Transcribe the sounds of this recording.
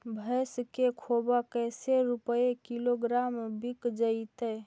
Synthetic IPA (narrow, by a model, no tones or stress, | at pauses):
bʱəskekʰobakəjseɾupəekiloɡɾambikd͡ʒəit̪ə